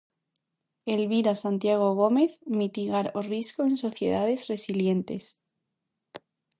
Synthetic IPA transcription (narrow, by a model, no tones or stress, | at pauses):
elβiɾasant̪jaɣ̞oɣ̞o̞me̞θmit̪iɣaɾoriskoenso̞θje̞̰ð̞aðe̞zre̞silje̞nt̪e̞s